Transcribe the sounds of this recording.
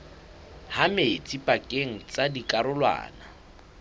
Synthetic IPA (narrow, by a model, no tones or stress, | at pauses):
hamet͡sʼipʼakʼeŋ̩t͡sʼadikʼaɾʊlwa̰ːna